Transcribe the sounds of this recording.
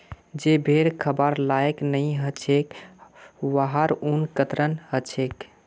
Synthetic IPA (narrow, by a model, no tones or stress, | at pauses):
d͡ʒebʱeɾkʰəbəɾlaeknəjɦət͡ʃʰek | ʋaɦaɾunkət̪ɾənɦət͡ʃʰek